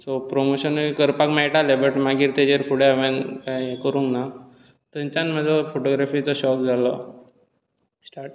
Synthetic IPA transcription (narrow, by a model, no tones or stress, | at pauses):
sopɾomoɕənkəɾpakmaiʈalebəʈmaɡiːɾt̪ed͡ʑeɾpuɽeaʋenkaɦĩkəɾũŋɡna | t̪ə̃ɲt͡ɕanmɛd͡zɔfʰoʈoɡɾafit͡sɔɕɔk̚d͡zʱalɔ̰ | sʈaɾʈ